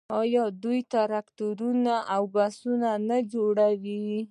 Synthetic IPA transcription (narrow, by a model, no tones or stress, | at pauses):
ɑjɑd̪ujt̪aɾakt̪uɾunaʔawbasunanad͡ʒoɽawi